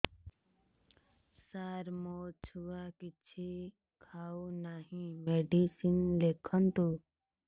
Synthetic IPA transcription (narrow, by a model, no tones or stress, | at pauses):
saːɾmoːt͡ʃʰuːaːkɪt͡ʃʰe | kʰaːuːnaːɦĩːmeːɖiːsinleːkʰənt̪uː